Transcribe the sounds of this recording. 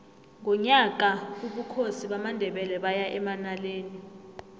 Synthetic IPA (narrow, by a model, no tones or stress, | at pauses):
ŋʱɔɲakauɓukʰosiɓamandʱɛɓɛlɛɓajaʔɛmanaleːni